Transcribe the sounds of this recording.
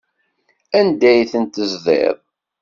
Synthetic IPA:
ænd̪æjθənt̪əzðˤḛðˤ

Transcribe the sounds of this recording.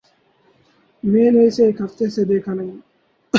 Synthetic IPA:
meːnesekɐt̪ːesed̪ekʰɐnɐj

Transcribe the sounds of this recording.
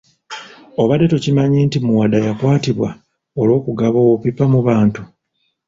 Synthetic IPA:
o̞βade̞to̞cimaɲiːntimuwadajakwaːtiβwa | o̞lo̞ːkuɡaβo̞wopipːamuβaːntu

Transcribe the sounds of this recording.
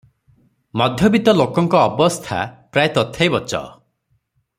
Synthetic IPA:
mɔd̪ʱjɔbit̪ɔlokɔŋkɔːbɔst̪ʰa̰pɾajt̪ɔt̪ʰːejbɔt͡ʃɔ̰

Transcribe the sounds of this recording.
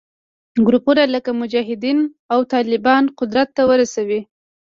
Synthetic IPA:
ɡɾupuɾaləkamʊd͡ʒɑɦɪd̪in | awt̪ɑlɪbɑnqʊd̪ɾat̪ːawəɾasawi

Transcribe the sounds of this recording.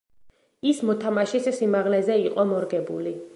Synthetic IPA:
ismɔt̪ʰamaʃissimaʁlɛzɛiqʼɔmɔɾɡɛbuli

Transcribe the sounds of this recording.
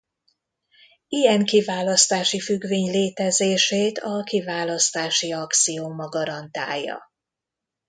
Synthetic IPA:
ijɛŋkivaːlɒst̪aːʃifyɡveːɲleːt̪ɛzeːʃeːt̪ʰɒkivaːlɒst̪aːʃiɒkt̪sijoːmɒɡɒɾɒnt̪a̰ːjːɒ̰

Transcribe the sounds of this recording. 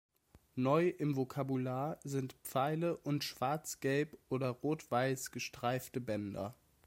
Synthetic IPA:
nɔʏʔɪmvokʰabulaːɐzɪntpp͡faɪləʔʊntʃv̥aɐt͡sɡ̥ɛlpʔoːdɐʁoːtv̥aɪsɡ̥əʃtʁ̥aɪftəbɛndɐ̰

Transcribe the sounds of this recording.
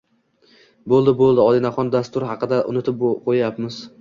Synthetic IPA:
bolˠd̪ɪbolˠd̪ɪɒlɪnaχɒnd̪ast̪ʊɾhɑqɨd̪aʔʊ̰nɪt̪ʰɪp̚qʰojjapmɪz̥

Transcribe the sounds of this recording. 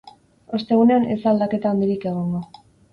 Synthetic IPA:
o̞st̪e̞ɣ̞une̞ane̞sald̪ake̞t̪aːnd̪iɾike̞ɣ̞o̞ŋɡo̞

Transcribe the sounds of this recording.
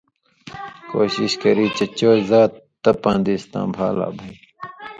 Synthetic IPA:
koːɕiɕkɐɾiːt͡ɕɐt͡ɕoːzaːt̪ː | ɐpãːnd̪iːst̪ã̰ːbʱaːla̰ːbʱɐi

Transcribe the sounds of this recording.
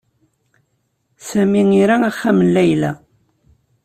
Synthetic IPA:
sæmiŋiɾææχːæmənlæjlæ̰

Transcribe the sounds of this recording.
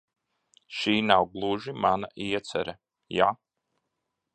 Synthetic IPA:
ʃiːnawɡlˠuʒimanaʔiɛt̪sɛ̰ɾɛ | ja

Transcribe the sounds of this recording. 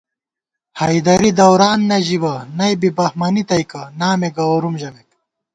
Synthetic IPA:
hɐjd̪ɐɾid̪ɐwɾaːnːɐʑibɐnɐjbibɐhmɐnit̪ɐjkɐnaːmeɡɐwɾumʑɐmek̚

